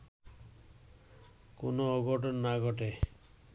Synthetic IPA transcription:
konooɡʱɔʈ̬ɔnːaɡʱɔʈ̬e

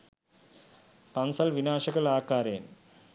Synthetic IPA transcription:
pɐnsɐlʋinaːʂɐɣɐlaːkaːɾeːn

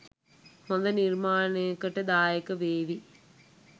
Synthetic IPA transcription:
mɔnd̪ɐniɾmaːnekːɐʈːɐd̪aːjɐkːɐʋeːʋi

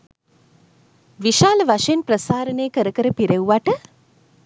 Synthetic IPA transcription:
ʋiʃaːləʋaʂenprəsaːɾəneːkəɾəkəɾəpiɾewʋaʈə

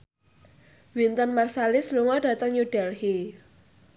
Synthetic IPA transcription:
wint̪ənmarsalɪsluŋɔɖ̥a̤t̪əŋjuɖ̥ɛlhi

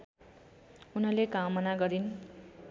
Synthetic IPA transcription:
unʌlekamʌnaɡʌɾin

